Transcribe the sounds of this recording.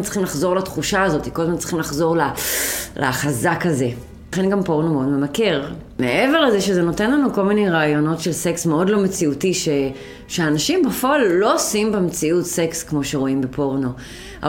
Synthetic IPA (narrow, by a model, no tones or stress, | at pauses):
ntt͡si̥χimlaχzo̞ʁlat̪χuʃaːzo̞t̪i̥kodmantt͡si̥χimlaχzo̞ʁlalʔa̰χazakaze̞ | aχe̞nɡampo̞ʁnomeo̞dmemake̞ʁ | meʔeve̞ʁle̞zeʃe̞zeno̞te̞nlanuko̞lmine̞jʁaːjo̞no̞tʃelse̞ksmeo̞dlo̞met͡siutiʃe | ʃeaːnaʃimbefoalːo̞simbemt͡siutsekskmo̞ʃeʁo̞imbepo̞ʁno̞ | ʔa̰